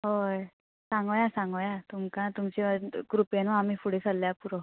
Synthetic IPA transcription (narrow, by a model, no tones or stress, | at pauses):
ɦoj | sãŋɡojãsãŋɡɔjãt̪umkãt̪umt͡ɕiɡɾupenoamifuɽisəlːjapuɾɔ